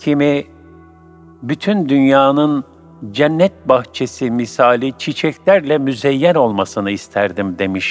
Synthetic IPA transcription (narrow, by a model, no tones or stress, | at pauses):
cʰimi | byt̪ʰynd̪ynjaːnɯn | d͡ʒɛnːɛt̪̚baxt͡ʃʰe̞simisaːlʲit͡ʃʰit͡ʃʰɛclʲæɾlʲɛmyzɛjːæno̞lˠmasɯnɯist̪ʰæɾd̪imd̪e̞miʃ